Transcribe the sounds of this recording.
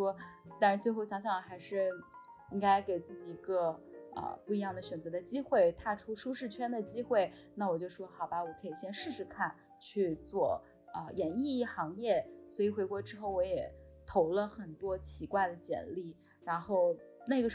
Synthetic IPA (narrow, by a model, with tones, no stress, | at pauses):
ɔ˥t̪a˥˩ɻa˧˥nt͡swe˥˧ɪxo˥˩ɕjɑ˧˥ŋɕ̬jɑ˥˩˨xa˧˥ɪʂɻ̩˥˩ | i˥ŋka˥ɪke˨˩ɪt͡sɹ̩˥˩t͡ɕi˨˩i˧˥ɡə˧ə̰˧pu˥˩i˧˥jɑ˥˩ŋd̪ə˩ɕɥɛ˨˩nt͡sɤ˧˥d̪ə˧t͡ɕi˥xwe˥˩ɪt̪ʰa˥˧ʈ͡ʂʰu˥ʂu˥ʂɻ̩˥˩t͡ɕʰɥɛ˥nd̪ə˨t͡ɕi˥xwe˥˩ɪ | na˥˩wɔ˨˩t͡ɕjo˥˧ʊ˧ʂwɔ˥xɑ˨˩ʊba˧wɔ˨˩kʰɤ˧˥i˨˩ɕjɛ˥nʂɻ̩˥˩ʂɻ̩˧˥kʰa˥˧n | t͡ɕʰy˥˧t͡swɔ˥˩ | ə˧jɛ˧˥ni˥˧˥xɑ˧˥ŋjɛ˥˩swɔ˧˥i˨˩xwe˧˥ɪkwɔ˧˥ʈ͡ʂɻ̩˥xo˥˩ʊwɔ˧˥jɛ˨˩t̪ʰo˧˥ʊlə˧xə˨˩nt̪wɔ˥t͡ɕʰi˧˥kwa˥˩ɪd̪ə˩t͡ɕjɛ̰˨˩nli˥˩ | ɻa˧˥nxo˥˩˧ʊna˥˩ɪɡə˩ʂ